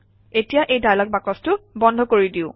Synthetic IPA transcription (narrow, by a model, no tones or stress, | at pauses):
etijaʔejdajlɔk̚bakɔstʊbɔndʱɔkoɹidiʊ